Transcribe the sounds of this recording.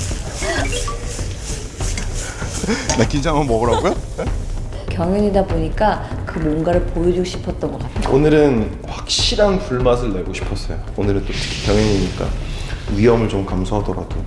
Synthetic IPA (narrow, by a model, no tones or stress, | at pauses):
nakind͡ʑʰaŋɯnmʌɡɯɾaɡujone | kjʌŋʌɲidaboɲik͈akɯmonɡaɾɯɭpojod͡ʑuɡɕʰi̥pʰʌt̚t͈ʌnɡʌk͈atʰeonɯɾɯn | ɸwak̚ɕ͈iɾanpuɭmasʰɯɭːe̞ɡoɕʰi̥pʰʌs͈ʌ̰joonɯɾɯnt͈otʰɯ̥kʰi̥kjʌŋjʌɲiɲik͈a̰ɥiʌmɯɭt͡ɕomkamsʰoɦadʌɾa̰d̥o